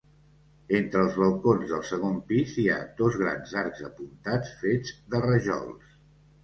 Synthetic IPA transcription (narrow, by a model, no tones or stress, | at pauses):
ent̪ɾəːlˠzβəlˠkonzðəlˠsəɣ̞ompizia̰d̪ozɣ̞ɾa̰nzaɾɡzəpunt̪at͡sfed͡zd̪ərəʒɔ̰lˠs